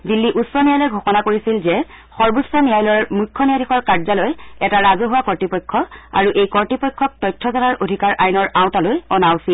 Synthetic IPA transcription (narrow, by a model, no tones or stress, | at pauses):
dilːiʔusːɔnijajlɔjɡʱoxɔnakoɹisilzɛ | xɔɹbusɔnijajlɔmukʰːɔnijadixɔɹkaɹzalojɛtaɹazoɦuwakɔɹtipɔjkʰːɔa̰ɹuʔejkɔɹtipɔjkʰːɔk̚tɔjtʰːɔzɔnaɹʔodʱikaɹʔajnɔɹawtalojɔnawsil